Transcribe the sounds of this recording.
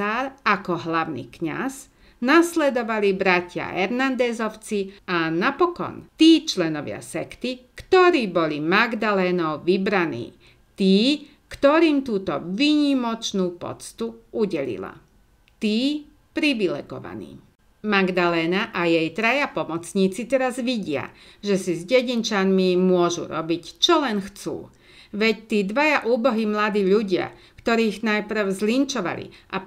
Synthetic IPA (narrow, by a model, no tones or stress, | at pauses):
aːɾakɔɦlaʊnḭːkɲa̰z | naslɛd̪ɔʋalibɾacɪa̰ʔɛɾnand̪ɛːzɔʊt͡sianapɔkɔ̰nt̪iːt͡ʃlɛnɔʋɪa̰sɛkt̪ikt̪ɔɾiːbɔlimaɡd̪alɛːnɔʊʋibɾanḭː | t̪iː | kt̪ɔɾiːmt̪uːt̪ɔʋiɲimɔt͡ʃnuːpɔ̰t͡st̪uuɟɛlḭla̰ | t̪iː | pɾiʋilɛ̰ɡɔ̰ʋa̰nḭː | maɡd̪alɛːnaʔajɛjt̪ɾajapɔmɔt͡sɲiːt͡sit̪ɛɾazʋiɟɪa̰ʒɛsizɟɛɟint͡ʃanmimʊɔʒṵɾɔbict͡ʃɔlɛnxt͡sṵː | ʋɛct̪iːd̪ʋajaʔuːbɔɦimlad̪iːʎuɟɪa̰ | kt̪ɔɾiːɣnajpɾ̩ʊzlint͡ʃɔʋa̰lḭʔa